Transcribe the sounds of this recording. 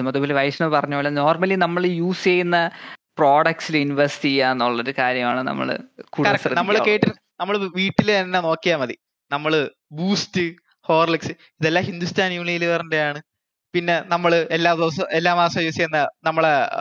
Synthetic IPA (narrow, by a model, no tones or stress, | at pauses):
ɐmɐðuboːleʋɐjɕɐɳɐmpɐrɐɲːoːɭlːɐno̞ːrmɐlinɐmːɐɭjuːsejunːɐpro̞ːɽɐk̚ʈsilɨjuniʋɐɾsi̥tiaːnːoɭːɐoɾukaːɾjɐmaːɳɨnɐ̰mːɐ̰ɭ̰kuːkɐɐksɐɐnɐmːɐɭkeːʈːiɾ | nɐmːɐɭʋiːʈːilɐnːeno̞ːkːijaːmɐðḭ | nɐmːɐɭɨ | buːstɨ | ho̞ːrliksɨ | iðelːaːhind̪ustʰaːnjuːɳijiliʋɐrɐndejaːɳɨ | pinːe̞nɐmːɐɭɨelːaːd̪oːsɐelːaːmaːsɐmjuːsjejunːɐnɐmːɐɭe